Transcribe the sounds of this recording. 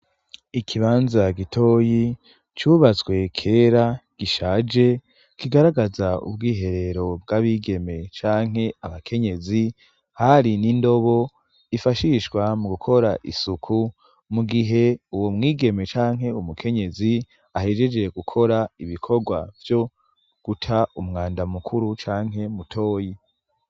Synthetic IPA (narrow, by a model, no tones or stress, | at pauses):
ikʰiβaːnzaɡitʰo̞ːji | t͡ʃuβat͡swe̞kʰe̞ːɾaɡ̥iʃaːd͡ʒe | kiɡaɾaɡazaṵbɡiːɦe̞ɾe̞ɾo̞bɡaβiːɡe̞me̞t͡ʃaːŋ̥ɦe̞aβakʰe̞ɲe̞zi | haɾinindo̞βo̞ | ifaʃiʃwamuɡukʰo̞ɾa̰ʔḭsukʰu | muɡiɦe̞uwomŋiːɡe̞me̞t͡ʃaːŋɦe̞umukʰe̞ɲe̞zi | ahe̞d͡ʒe̞d͡ʒeɡukʰo̞ɾaiβikʰo̞ɡwa̰vjo̞ | ɡ̥utʰaumŋaːndamukʰuɾut͡ʃaːŋ̥ɦe̞mutʰo̞ːji